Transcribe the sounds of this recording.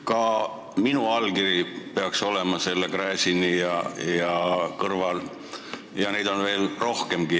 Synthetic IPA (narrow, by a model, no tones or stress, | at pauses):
kɑ | minuɑlɡiɾipe̞ɑkso̞le̞mɑse̞lːekræːsʲinijɑjɑkɤrvɑl | jɑnejd̪̥o̞nve̞ːlro̞hke̞mɡ̥i